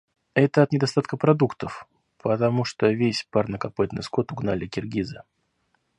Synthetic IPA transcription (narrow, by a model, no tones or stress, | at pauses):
ɛt̪əɐt̪nʲɪd̪ɐst̪at̪kəpɾɐd̪ukt̪əf | pʰət̪ɐmuʂt̪ovʲesʲparnəkɐpɨt̪nɨ̰sko̞t̪ʊɡnalʲɪkʲɪrɡʲizɨ